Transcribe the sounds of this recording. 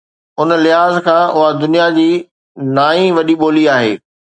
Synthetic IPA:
ʊnlɪɦaːzkʰãːʔʊɦad̪ʊnijad͡ʑiː | naːĩʋɐɗiɓoːliaːɦḛː

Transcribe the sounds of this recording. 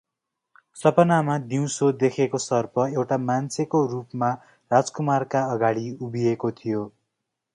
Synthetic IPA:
sʌpʌnamad̪iw̃sod̪ekʰekosʌrpʌewʈamant͡sʰekorupma | rad͡zkumarkaʌɡaɽiubiekot̪ʰijo

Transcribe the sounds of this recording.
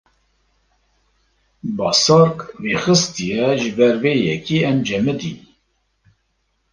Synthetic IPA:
bɑsɑɾkveːxɨst̪ijɛʒɨbɛɾveːjɛkiːɛnd͡ʒɛmɛd̪ḭn

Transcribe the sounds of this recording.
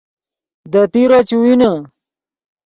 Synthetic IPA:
d̪at̪iɾat͡ɕuwina

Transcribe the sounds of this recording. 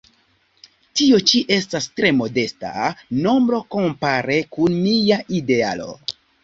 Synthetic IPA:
tio̞t͡ʃiʔe̞stastɾe̞mo̞de̞sta̰no̞mbɾo̞ko̞mpaɾe̞kunmijaʔide̞a̰lo̞̰

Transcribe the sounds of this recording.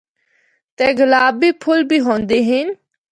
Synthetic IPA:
t̪eːɡəlaːbiːpʰʊlbʱiːɦõːnd̪eːɦɪn

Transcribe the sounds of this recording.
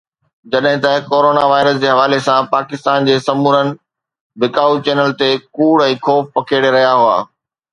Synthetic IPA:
d͡ʑɐɗɦɪ̃t̪ɐkoːɾoːnaʋaːɪɾəsd͡ʑeːɦɐʋaːlesãpaːkɪst̪aːnd͡ʑeːsɐmuːɾənɪ̆ | bɪkaːut͡ɕɛːnəlt̪ekuːɽɛ̃ːkʰoːfpɐkʰeːɽeɾɐɦijaɦua̰ː

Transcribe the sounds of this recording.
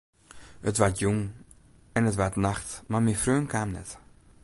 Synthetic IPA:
ətʋatjuŋ | ɛnətʋatnaxtmamiəfrøːnkʰaːmnɛ̰t

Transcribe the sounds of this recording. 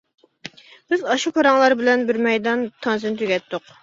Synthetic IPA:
b̥ɪzɑʃupʰɑɾɑŋlˠɑɾbɪlɛnbɪɾmɛjd̪ɑnt̪ʰɑnzɨnt̪ʰyɡʲɛt̪ːʊq

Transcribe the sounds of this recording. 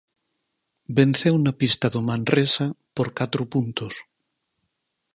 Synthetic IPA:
benθewnapist̪aðomãnresapoɾkat̪ɾopunt̪os

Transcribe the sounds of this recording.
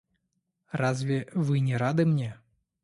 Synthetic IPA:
razʲvʲɛvɨnʲɛɾad̪ɨmnʲɛ

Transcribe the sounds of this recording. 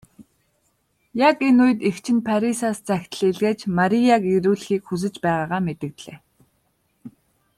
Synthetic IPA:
jakenuj̆t̪ext͡ɕʰɪ̆npʰaɾisaːst͡sæxʲt̪ə̆ɮeɮɣeːt͡ɕmaɾijaɡeɾuːɮxiːkxus̬ɘ̆t͡ɕpæːʁaːʁaːmet̪ɘ̆k̚t̪ɮḛː

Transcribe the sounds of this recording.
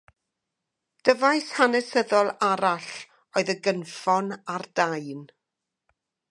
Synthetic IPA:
d̥əvajshanɛsəðɔlˠaɾaɬ | oɨðəɡənfɔnard̥ajn

